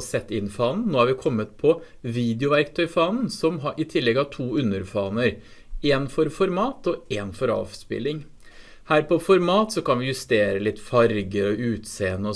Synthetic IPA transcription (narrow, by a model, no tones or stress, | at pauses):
sɛt̪ːɪnːfɑːnn̩noːhɑɾʋɪkʰɔmːət̪pʰɔ | ʋiːd̪ɪʊʋæɾkt̪ʰœʏfɑːnn̩sɔmɦɑʔɪt̪ʰɪlːɛɡɑʋt̪ʰuːʉnːəɾfɑːnəɾ | eːnfɔɾfɔɾmɑːt̪ɔeːnfɔɾɑ̰ːʋspɪ̰lːɪŋ | hæːɾpʰɔfɔɾmɑːt̪sɔkɑnʋɪjʉst̪eːɾəlɪt̪ːfɑɾɡəɾɔʉːt̪seːənəɔ